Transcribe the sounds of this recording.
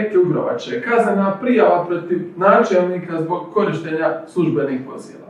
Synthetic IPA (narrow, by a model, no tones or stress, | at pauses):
kk̪euɡɾo̰ʋa̰t͡ʃekaznenapɾijaʋapɾo̞t̪iʋnaːt͡ʃelˠniːkazbo̞ɡko̞ɾiʃt̪eɲaslˠuʒbenixpo̞̰zḭːla̰